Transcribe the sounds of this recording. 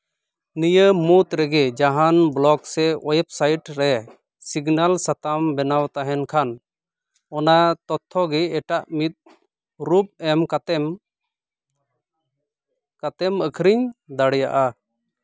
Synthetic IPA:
nijəmut̪ɾɛɡɛd͡ʒaɦanblɔɡsɛɔjɛp̚sajʈɾɛ | siɡnalsat̪ambɛnawt̪aɦɛnkʰan | ɔnat̪ɔt̪ʰːɔɡɛːʈaʔmit̪̚ | ɾup̚ɛmkat̪ɛm | kat̪ɛməkʰɾiɲd̪aɽɛja̰ʔa

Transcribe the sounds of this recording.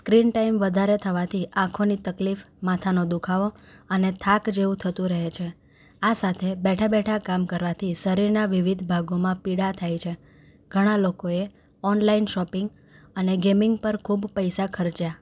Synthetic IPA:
skɾinʈaimʋəd̪ʱaɾet̪ʰəʋat̪ʰiʔãkʰonit̪əklif | mat̪ʰanod̪ukʰaʋoənet̪ʰakd͡ʒeʋũt̪ʰət̪ũɾəɦet͡ʃʰe | asat̪ʰebɛʈʰabɛʈʰakamkəɾʋat̪ʰiʃəɾiɾnaʋiʋid̪ʱbʱaɡomãpiɽat̪ʰajt͡ʃʰe | ɡ̥ʱəɽ̃alokoe | ɔnlainʃɔpɪ̃ŋɡ | əneɡemɪŋɡpəɾkʰubpəjsakʰəɾt͡ʃja

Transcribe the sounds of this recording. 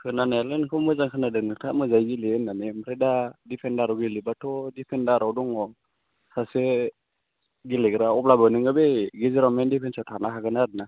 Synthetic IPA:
kʰɯnanalɯnkʰɯmɯzaŋkʰɯnadɯnɯtʰamɯzajɡileɯnːanemaɾedadipʰendaɾɔɡilibatʰɔdipʰɛndaɾɔdɔŋɔ | sʰase | ɡileɡɯɾaɔplabanɯŋɯbeɡiziɾamendipʰensatʰanaɦaɡɯnaɾɯna

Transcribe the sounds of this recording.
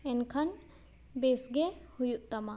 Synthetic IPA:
enkʰɐn | besɡehujuʔt̪ɐma

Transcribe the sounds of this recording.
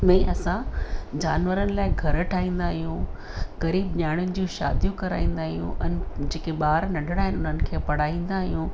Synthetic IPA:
mɛ̃ʔɐsãd͡ʑaːnʋəɾənɪ̆laːɪɡʱɐɾʈʰaːĩːn̆d̪aːɦijũ | ɣɐɾiːb̚ɲaːɪɽ̃ʊnɪ̆d͡ʑũːʃa̰ːd̪jũkɐɾa̰ːĩːn̆d̪aːɦijṵ̃ʔɛ̃nd͡ʑeːkeɓaːɾnɐɖʱɪɽaːɦɪnʊn̤ənɪ̆kʰeːpɐɽ̤aːĩːn̆d̪aːɦijũ

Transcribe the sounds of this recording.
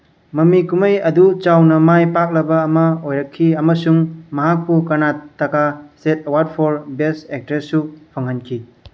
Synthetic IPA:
mɐmikumɐjɐdut͡ʃawnɐmajpak̚lɐbɐːmɐojɾɐkʰːiɐmɐsuŋmɐɦak̚pukɐnatːɐkasetɐwaɾd̚pʰoɾbesek̚teɾsupʰoŋhɐnkʰi

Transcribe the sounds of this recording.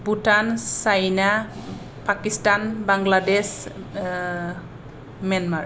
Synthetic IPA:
butansajna | pakistanbaŋladɛs | manmaɹ

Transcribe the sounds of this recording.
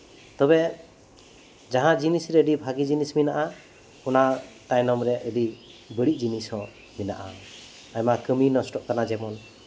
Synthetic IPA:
t̪ɔbɛ | d͡ʒaɦãd͡ʒinisɾɛɖibʱaɡid͡ʒinisminaʔa | ɔnat̪ajnɔmɾɛʔəɖibəɽiʔ̚d͡ʒinishɔ̃ | minaʔa̰ | ajmakəminɔsʈɔʔkanad͡ʒɛmɔn

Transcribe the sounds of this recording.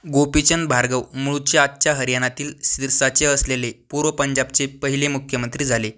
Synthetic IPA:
ɡopit͡ɕənbʱaɾɡəwmuɭut͡ɕjaːt̪ːɕjaɦəɾjañat̪iːlsiɾsat͡seəslelepuɾʋəpəɲd͡ʑab̚t͡sepəɦilemukʰjəmənt̪ɾiːd͡zʱale

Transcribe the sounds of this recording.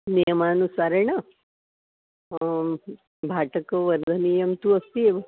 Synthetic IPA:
nijəmanusaɾeɳa | bʱaːʈəkəʋɐɾd̪ʱənijɐmt̪uɐst̪i

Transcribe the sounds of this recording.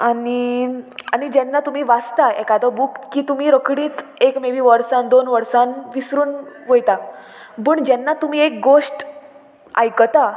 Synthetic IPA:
ani | añid͡ʑɛnːat̪um̤iːʋast̪aɛkad̪ɔbukkːiːt̪um̤iːɾəkɽiːt̪ekmeʋiːʋəɾsãnd̪onʋəɾsãnʋisɾuːnʋəjt̪a | pəːɳd͡ʑɛnːat̪um̤iek̚ɡosʈ | a̰jkət̪a

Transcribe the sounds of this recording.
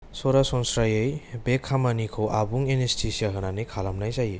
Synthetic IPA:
sɔɾasɔnsɾajejbekʰːamanikʰowʔabuŋenestʰisiaɦɯnanijkʰalamnajzaji

